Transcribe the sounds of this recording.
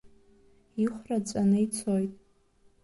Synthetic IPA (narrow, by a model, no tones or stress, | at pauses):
iχʷrat͡sʷʼanɨit͡sʰojtʼ